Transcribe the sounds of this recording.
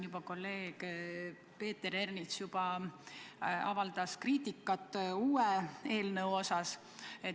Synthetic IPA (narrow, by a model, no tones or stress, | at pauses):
jub̥ɑko̞lːe̞ːɡ̥ | pe̞ːt̪ːeɾernit̪sjub̥ɑ | ɑ̰vɑld̪̥ɑskriːt̪ʲikːˑɑt̪ːˑuːee̞ːlnəwo̞sɑs | e̞